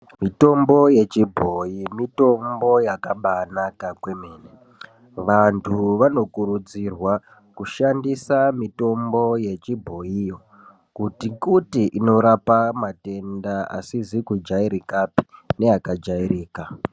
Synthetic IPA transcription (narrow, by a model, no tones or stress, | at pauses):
mito̞mbo̞je̞t͡ʃibʱo̞imito̞mbo̞jakaɓanakakwe̞meːne | ʋantʰuʋano̞kuɾud͡zirwa | kuʃandisamito̞mbo̞je̞t͡ʃibʱo̞ijo̞ | kutikutiʔino̞ɾapamate̞ndaa̰sizikud͡ʒaiɾikapi̥ne̞akad͡ʒairiːka